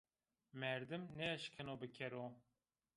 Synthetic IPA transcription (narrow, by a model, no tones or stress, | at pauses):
mɛɾd̪ɨmnɛɛʃkʰɨnoːbɨkʲʰɛɾoː